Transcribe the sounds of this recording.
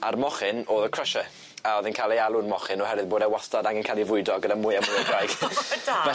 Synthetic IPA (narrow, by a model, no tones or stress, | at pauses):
a̰rmɔχɪnoːðəkʰrəʃə | aɔðɪnkʰaːlejalˠʊnmɔχɪnɔhɛɾɨðboːdɛwastadaŋɡɪnkʰalivʊɨdɔɡədamuːjamʊjədajɡ̥dvɛ